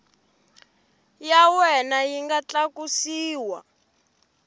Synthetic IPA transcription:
jawɛnajiŋɡat͡ɬakusiːwa

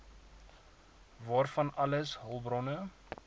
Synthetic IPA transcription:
vɑːrfɐnɐləsɦəlˠbrɔnə

